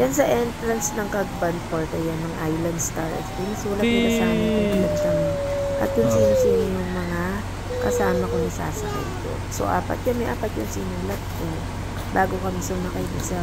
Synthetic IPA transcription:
jɐnsɐʔɛnt̪ɾɐnsnɐŋkɐɡ̚bɐnd̪̚poɹt̪ɐjɐnːɐŋʔajlɐnd̪st̪aɹɐ̰t̪p̪ɪnɐsuːlɐt̪kɪnɐsaːmɐkʊŋɡlɐd̪kɐmɛʔɐ̰t̪̚jʊŋsinʊŋsinonoŋmɐŋa | kɐsaːmɐkonɐsa̰ːsɐkɐ̰jko̰so̞̰ʔa̰ːpɐ̰t̪̚kɐmɛʔaːpɐt̪jʊŋsinuːlɐt̪̚kɛ | baːɡo̞kɐmisomɐkɐibɪsɐ

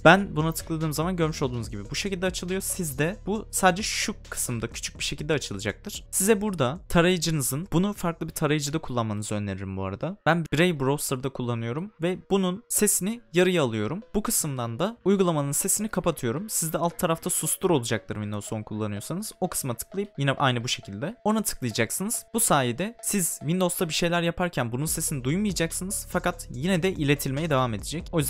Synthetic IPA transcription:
b̥ænbunat̪ʰɯ̥klˠad̪ɯːmzamanɟø̞ɾmyʃolˠd̪uːnuzɟibibuʃecilʲd̪ɛat͡ʃʰɯlˠɯjo̞sizd̪ɛbusaːd̪ed͡ʒɛʃukʰɯ̥sɯmd̪acʰy̥t͡ʃʰy̥c̚biʃe̞cʰilʲd̪ɛaːt͡ʃʰɯlˠɯd͡ʒak̚t̪ʰɯɾ̥sizɛbuɾd̪at̪ʰaɾajɯd͡ʒɯnɯzɯnbunufaɾklˠɯbiɾt̪ʰaɾajɯd͡ʒɯd̪akʰulˠːanmanɯzɯønlʲe̞ɾiɾimbua̰ɾad̪ab̥ænbbiɾejbɾo̞st̪ɯɾd̪akʰulˠːanɯjo̞ɾumvɛb̥ununse̞sinijaɾɯjaːlˠɯjo̞ɾumbukʰɯsɯmd̪and̪aujɡulˠamanɯnse̞sinikʰapat̪ʰɯjo̞ɾumsizd̪ɛalˠt̪t̪ʰːaɾaft̪ʰasust̪ʰuɾo̞lˠud͡ʒak̚t̪ʰɯɾvind̪o̞zonkʰulˠːanɯjo̞ɾsanɯz̥o̞kʰɯ̥smat̪ʰɯ̥klˠajɯp̚jinɛʔajnɯbuʃe̞cʰilʲd̪ɛo̞nat̪ʰɯ̥klˠɯjad͡ʒaksɯnɯz̥busaːjid̪ɛsizvind̪o̞zt̪ʰabiʃe̞jlʲæɾjapʰaɾcʰænbununse̞sinid̪ujumɯjad͡ʒaksɯnɯz̥fakat̪jinɛd̪ɛʔilʲe̞t̪ʰilʲmejɛd̪e̞vame̞d̪ed͡ʒɛco̞jyz

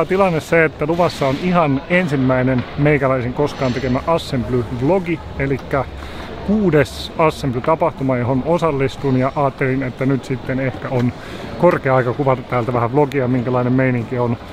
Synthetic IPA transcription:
t̪ilɑnːesseet̪ːæluʋɑsːɑonihɑnensimːæinenmeikælæisiŋkoskɑːnt̪ekemæʔɑsːemplyʋloɡi | elikːæ | kuːdesɑsːemplyt̪ɑpɑht̪umɑjoɦonosɑlːist̪unjɑʔɑːt̪ːelinet̪ːænyt̪sit̪ːenehkæon | korkeɑɑikɑkuʋɑt̪ɑt̪ːæːlt̪æʋæhæʋloɡiɑmiŋkælɑinemmeiniŋkion

